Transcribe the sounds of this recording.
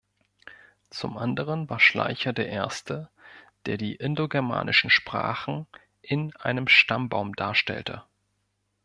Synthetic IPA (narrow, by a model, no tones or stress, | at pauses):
t͡sʊ̰mʔandəʁ̞ənvaːɐʃla̰ɪçɐdeːɐʔeːɐstəd̥eːɐdiːʔɪndoɡɛɐma̰ːnʔɪʃn̩ʃpʁ̥a̰ːχn̩ | ʔɪnʔa̰ɪnəmʃtambaʊmdaːɐʃtɛ̰ltʰə̰